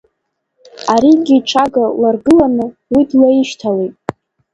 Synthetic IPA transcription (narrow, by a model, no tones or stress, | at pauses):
aɾiɡʲiʈ͡ʂʰaɡalarɡɨlanɨwidlaiʃtʰalejtʼ